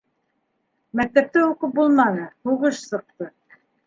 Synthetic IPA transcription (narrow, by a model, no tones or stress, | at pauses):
mæk̚t̪æp̚t̪ɘuqɤp̚bulˠmɑnɤhuʁɤʃsɤ̆q̚t̪ɤ